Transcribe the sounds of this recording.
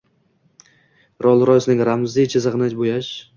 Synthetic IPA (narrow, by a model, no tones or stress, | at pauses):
ɾɒlˠɾɒjsnɪŋʲɾamzd̪it͡ʃʰɪzɨʁnɪt͡ʃbojaʃ